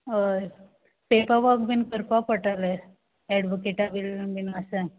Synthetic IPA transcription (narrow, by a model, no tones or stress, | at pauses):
əɾ | pepaʋakbinkəɾpapəʈale | ɛɽʋokeʈabilbinasa